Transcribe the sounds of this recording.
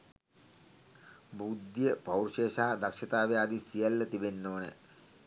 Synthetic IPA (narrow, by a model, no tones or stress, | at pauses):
bud̪jəpɐwrʃeːʃaːad̪ɐkʂɐt̪aːʋead̪isijɐlːət̪ibenːoːnə